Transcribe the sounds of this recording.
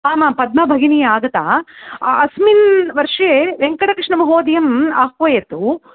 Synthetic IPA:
aːmaːpɐd̪̚mɐbʱɐɡinijaːɡɐt̪a̰ːɐsminʋɐɾʂeːʋeŋkɐɽɐkɾɪʂɳɐmɐɦoːd̪ijɐmaɦkʋɐjet̪u

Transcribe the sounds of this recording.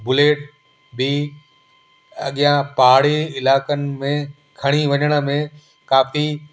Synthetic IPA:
bʊleːʈ | bi | ɐ̰ɠijãpaːɽeɪlaːkənɪ̆mẽ | kʰɐɽ̃iʋɐɲəɽ̃ə̆mẽ | kaːfi

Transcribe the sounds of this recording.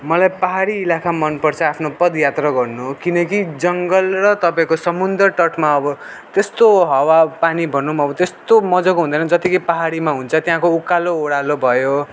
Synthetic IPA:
mʌlajpaɦaɾiːlakʰamʌnpʌrt͡sʰʌapʰnopʌd̪jat̪rʌɡʌrnukinʌkid͡zʌŋɡʌlrʌt̪ʌpaĩkosʌmund̪ʌrʈʌʈʰmaʌbʌ | t̪est̪oɦʌwapanibʱʌnːumʌbʌt̪est̪omʌd͡zʌkɦũnd̪ʌnʌd͡zʌt̪ikʌjpaɦaɾimaɦunt͡sʰʌt̪jãkoukaloːɽalobʱʌjo

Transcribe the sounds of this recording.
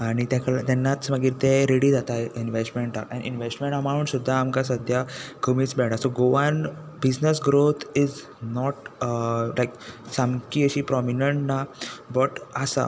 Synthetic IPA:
aɽ̃it̪jakəɭat̪ɛnːat͡sməɡiːɾt̪eɾeɽiːd͡zat̪ainʋesʈmeɳʈakɛ̰nʔḭnʋesʈmẽɳʈamaɽ̃uːnsud̪ʱːaːmkasəd̪ʱjakəmiːt͡sbɛɽasoɡoʋan | bid͡znəsɡɾot̪ʰid͡z | nɔʈ | lajksãmkiːəɕiːpɾɔminəɳʈnabəʈasa̰

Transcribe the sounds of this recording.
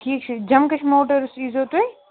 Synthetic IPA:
ʈʰiːk̚t͡ʃʰʊd͡ʒɐmkɐt͡ʃʰmoːʈəɾʊst͡ʃiːzoːt̪oe

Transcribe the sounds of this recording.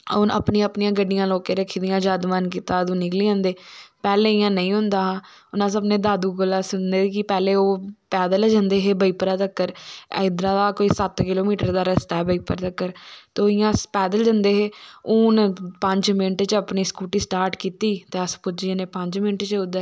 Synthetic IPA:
onə̰pnĩːəpnijãːɡəɖɪjãːloːkeːɾəkʰid̪ijãːd͡ʒãːd̪mankiːt̪aːd̪ũːnɪkliːãːnd̪eːpɛːleːɪjãːnəĩːɦʊnd̪aːãː | ʊnãːsəbneːd̪aːd̪uːɡolːaːsʊnd̪eːkɪpɛːleːoːpɛːd̪əld͡ʒãːnd̪eːɦeːbəiːpəɾaːt̪əkːəɾ̰ɪd̪ɾãːd̪aːkoːiːsət̪kɪloːmiːʈəɾd̪aːɾəst̪ɛːbəiːpəɾt̪əkːəɾt̪ːoːɪjãːpɛːd̪əld͡ʒə̃nd̪eːɦeːʊnpəɲd͡ʒmɪnʈt͡ʃəəpniːskuːʈiːsʈaːɾʈkiːt̪iːt̪eːəspʊd͡ʒienẽːpəɲd͡ʒmɪnʈt͡ʃəʊd̪

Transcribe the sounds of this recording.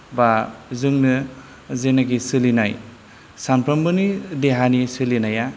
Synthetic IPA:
bazɯŋnɯ | zenaɡisɯlinaj | sanpʰɾɐmbɯnideɦanisɯlinaja

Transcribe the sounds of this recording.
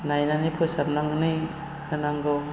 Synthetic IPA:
najnanipʰɔjsabnaŋɯnɯj | hɯnaŋɡɔw

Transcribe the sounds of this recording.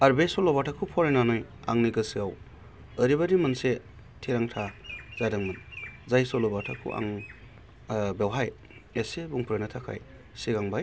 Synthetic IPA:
aɾbesɔlɔbatʰakʰupʰɔɾenanɔj | a̰ŋniɡɯsiaw | əɾibadimɯnse | tʰiɾaŋtʰazadaŋmɯnzajsɔlɔbatʰa̰kʰṵʔa̰ŋ | bewɦaj | esebuŋpʰɾenatʰakʰa̰j | siɡaŋbaj

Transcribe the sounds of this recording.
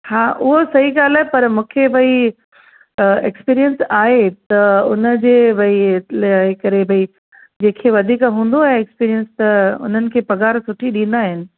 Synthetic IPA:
hãːʔʊɦosɐɦiɠaːlaːɦepɐɾmũːkʰebʱɐi | ekspiːɾijənsaːɦet̪ɐʊnə̆d͡ʑeːbɐi | ekɐɾebʱɐi | d͡ʑeːkʰeʋɐd̪ʱiːkaɦũːnd̪oaːɦeeːkspiːɾijənst̪ɐʊ̰n̤ənɪ̆kʰeːpɐɡaːɾsʊʈʰiɗĩːn̆d̪aːɦɪnɪ̆

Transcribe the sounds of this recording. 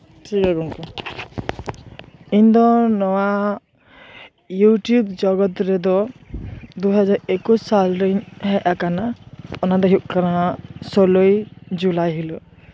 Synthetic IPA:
ʈʰikɛɡɔnkɔ | iɲd̪ɔnɔwa | juʈjubd͡ʒɔɡɔt̪ɾɛd̪ɔ | d̪uɦɔd͡ʒaɾekussalɾiɲhɛʔakanaɔnad̪ɔɦuʔ̚kanasɔlojd͡ʒulajɦilɔ

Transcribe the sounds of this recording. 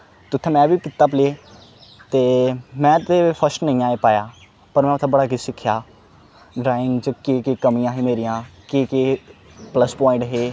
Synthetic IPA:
t̪ʊt̪ʰːẽːmɛ̃ːʋiːkɪt̪aːp̬leː | t̪eːmɛ̃ːt̪eːpʰəsʈnəĩːaːeːpaːjaː | pəɾmɛ̃ːʊt̪ʰẽːbəɽaːɡɪsɪkʰːjaː | ɖɾaːɪ̃ŋɡd͡ʒəkeːkeːkəmijãːɦeːmeːɾijãːkeːkeːpləspɔːɪ̃ɳʈɦeː

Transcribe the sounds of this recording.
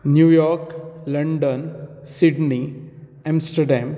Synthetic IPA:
njuːjɔːɾklɐɳɖənsiɖni | ãmsʈɐɾɖãːm

